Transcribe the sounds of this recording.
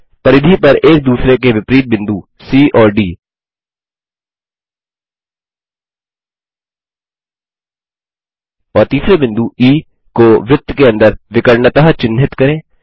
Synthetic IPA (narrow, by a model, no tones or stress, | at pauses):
pɐɾɪd̪ʱipɐɾeːk̚d̪uːsɾekeʋɪpɾiːt̪̚bɪ̃nd̪u | siːʔɔːɾɖiː | ɔːɾt̪iːsɾebɪ̃nd̪uʔiː | koʋjɪt̪ːkeɐ̃nd̪əɾʋɪkəɾnət̪əɦt͡ʃɪnɦɪt̪kɐɾẽː